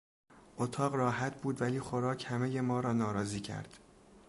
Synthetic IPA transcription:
ʔot̪ʰɒːɢrɒːɦæt̪ʰbuːd̪væliːxoɾɒːcʰhæme̞jemɒːɾɒːnɒːɾɒːziːcʰæ̰ɾd̪̥

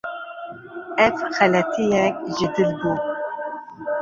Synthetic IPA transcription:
ɛvxɛlɛt̪ʰijɛk̚ʒɪd̪ɨlbu

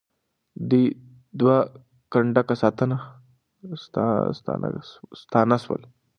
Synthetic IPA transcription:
d̪i | d̪ʋa | kəɳɖakasat̪ɐna | st̪a̰st̪ʰa̰na̰st̪ʰanasʋɐ̰l

